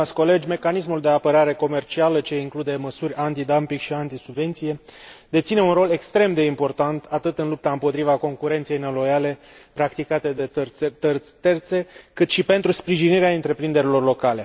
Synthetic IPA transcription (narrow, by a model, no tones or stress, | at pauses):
at̪sʲko̞le̞d͡ʒʲme̞kanismuld̪e̞apəɾaɾe̞ko̞me̞rt͡ʃialət͡ʃe̞iŋklud̪e̞məsuɾʲant̪id̪ampiŋɡkʃiant̪isubve̞nt̪sije̞d̪e̞t̪sine̞unɾo̞le̞kst̪ɾe̞md̪e̞impo̞rt̪ant̪ʰat̪ɨt̪ɨnlup̚t̪aɨmpo̞t̪ɾivako̞ŋkuɾe̞nt̪siejnelo̞jale̞ | pɾakt̪ikat̪e̞d̪et̪rt̪e̞rt̪se̞kɨt̪ʃipe̞nt̪ɾuspɾiʒiniɾeaɨnt̪ɾe̞pɾind̪e̞ɾilo̞rlo̞kale